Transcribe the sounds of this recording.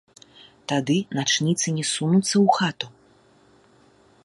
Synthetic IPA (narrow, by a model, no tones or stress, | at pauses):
t̪ad̪ɨnat͡ʂnʲit̪sɨnʲɛsunut̪sːɐwxat̪u